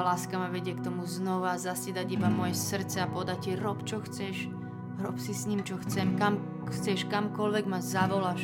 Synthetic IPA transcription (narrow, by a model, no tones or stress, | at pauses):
laːskamaʋɛɟɪɛkt̪ɔmuznɔʋazasid̪aɟibamɔjɛsr̩t͡sɛapɔd̪acːiɾɔpt͡ʃɔxt͡sɛʃ | ɾɔpsisɲimt͡ʃɔxt͡sɛmkam | xt͡sɛʃkamkɔlʋɛɡmazaʋɔlaʃ